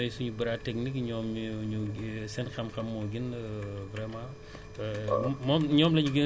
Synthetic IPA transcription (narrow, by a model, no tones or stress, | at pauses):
ɛjsuɲubiɾatɛk̚nikɲɔːmɲusɛnxɐmxɐmːɔɡinvɾɛmã | mɔːmɲɔːmlɐɲuɡi